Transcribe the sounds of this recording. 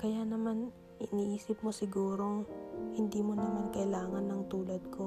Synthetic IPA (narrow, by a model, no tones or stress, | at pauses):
kɐjanɐman | ɪniʔiːsɪp̚mo̞sɪɡuːɾo̞hɪnd̪iːmo̞nɐmankɐʔɪlaːŋɐnɐŋt̪uːlɐd̪̚kʰo̞